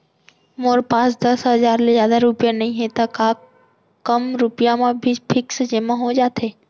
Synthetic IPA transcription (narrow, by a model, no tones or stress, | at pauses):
moːɾpaːsd̪ɐsɦɐzaːɾlezjaːd̪aɾʊpijanɐɦĩɦẽt̪ɐkaː | kəmɾʊpɪjamẽbʱipʰɪksd͡ʒemãɦod͡ʒaːt̪eː